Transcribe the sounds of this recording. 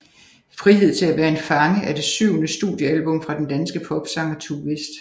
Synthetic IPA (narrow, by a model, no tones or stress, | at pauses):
fʁiɦe̝ð̞̰ˠt͡sʰe̝læʋæːɐe̝nfɑ̈ŋəʔæɐd̥e̝syʊ̰nəsd̥uðˠjəælb̥ɔ̽mfʁɑ̈d̥end̥ænsɡ̥əpʰɒ̽b̥sɑ̈ŋɐt͡sʰuʋe̝sd̥